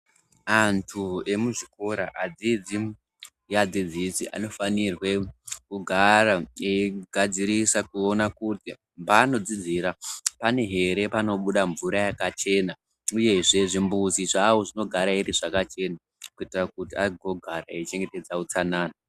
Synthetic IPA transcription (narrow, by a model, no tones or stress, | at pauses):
antʰue̞muʐiko̞ɾaʔad͡zid͡zi | jad͡zid͡zisiʔa̰no̞fanirwe̞kuɡʱaraeɡʱad͡ziɾisakuo̞nakuti | mbano̞d͡zid͡ziɾapane̞ɦe̞ɾe̞pano̞ɓuɗaɱvuɾajakat͡ʃe̞ːna | uje̞ʐe̞ʐimbuziʐawo̞ʐino̞ɡʱaɾaiɾiʐakat͡ʃe̞na | kuitirakutiaɡʱo̞ɡʱaɾaet͡ʃe̞ŋɡe̞te̞d͡zaut͡sanaːna